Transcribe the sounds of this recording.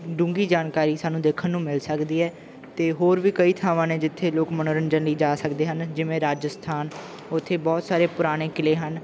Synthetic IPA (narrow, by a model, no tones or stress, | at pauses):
ɖũːŋɡiːd͡ʒaːnkaːɾiːsaːnũːd̪eːkʰənːũːmɪlsəkd̪iːɛː | t̪eːɦoːɾʋiːkəiːt̪ʰaːʋãːneːd͡ʒɪt̪ʰːeːloːkmənoːɾənd͡ʒənliːd͡ʒaːsəkd̪eːɦənd͡ʒɪʋẽːɾaːd͡ʒəst̪ʰaːn | ʊt̪ʰːeːbɔːt̪saːɾeːpʊɾaːɽ̃eːkɪleːɦən